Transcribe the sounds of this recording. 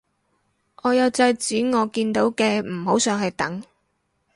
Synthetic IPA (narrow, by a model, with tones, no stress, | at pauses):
ʔɔː˨˧jɐ˨˧wt͡sɐ˧jt͡syː˨˥ŋɔː˨˧kiː˧nt̪o˨˥wkɛː˧m̩˨˩ho˨˥wsœː˨˧ŋɦɐ˨˧jt̪ɐ˨˥ŋ